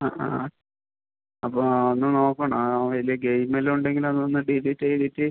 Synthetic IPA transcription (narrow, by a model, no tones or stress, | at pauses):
aa̰ | ɐpːoonːɨno̞ːkːɐːɳɐaʋɐlijɐɡejmeluɳɖeŋɡilɐnːonːɨɖiditːɐjiɾitːɨ